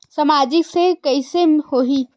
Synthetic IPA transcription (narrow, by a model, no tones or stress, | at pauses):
səmad͡ʒɪksekəɪsehoɦi